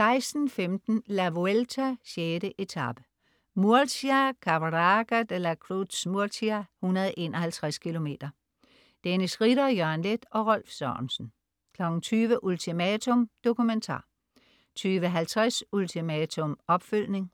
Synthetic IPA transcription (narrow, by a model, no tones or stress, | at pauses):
sɑ̈ɪsd̥n̩femd̥n̩læʋoelt͡sʰæɕeːdəʔe̝t͡sʰɑ̈b̥ə̥ | muɐsækʰɑbʁɑɡ̥æd̥elækʰʁud̥smuɐsʰiæhunɐðˠʔe̝ːnʔɒhælt͡sʰʁaskʰilo̝me̝̰ːd̥ɐ | d̥enisʁid̥ɐjœɐnled̥ɒ̽ʁɒl̰fsɒːnsn̩ | kʰlɒ̽ɡ̥n̩t͡sʰyːʋəʔult͡sʰimæt͡sʰɔmd̥o̝kument͡sʰɑ̰̈ː | t͡sʰyːʋəɦælt͡sʰʁasult͡sʰimɛt͡sʰɔmɒ̽b̥føl̰ne̝ŋ